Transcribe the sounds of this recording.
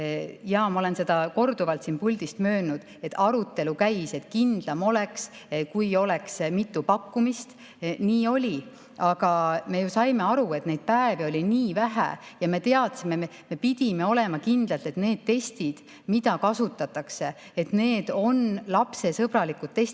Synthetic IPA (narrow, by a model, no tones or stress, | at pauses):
jɑːmɑole̞nse̞d̪ɑko̞rd̪uvɑlt̪sinpulʲd̪̥ist̪mø̞ːnud̪̥e̞t̪ːˑɑɾut̪ːe̞lukæjse̞t̪kind̪̥lɑmo̞le̞kskujo̞le̞ksmit̪ːupɑkːumist̪ | niːo̞lʲi | ɑɡ̥ɑme̞jusɑjme̞ɑɾue̞t̪ne̞jd̪̥̚pæevio̞lʲiniːvæɦæ̰jɑme̞t̪e̞ɑt̪sime̞e | me̞pid̪̥ʲime̞o̞le̞mɑkind̪lɑlt̪e̞t̪ne̞ːd̪̥̚t̪e̞st̪id̪̥ | mid̪̥ɑkɑsut̪ːˑɑt̪ːˑɑkse̞ | et̪ne̞ːd̪̥o̞nlɑpse̞sɤb̥ɾɑlikut̪t̪ːe̞st̪